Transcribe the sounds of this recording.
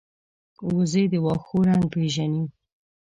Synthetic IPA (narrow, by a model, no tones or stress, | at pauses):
wuzed̪əwɑxoɾaŋ̚peʒanim